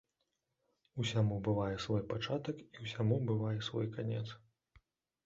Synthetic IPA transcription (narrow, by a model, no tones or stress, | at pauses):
usʲamubɨvajɛsvɔjpat͡ʂat̪ɐkiwsʲamubɨvajɛsvɔ̰jkanʲɛ̰t̪s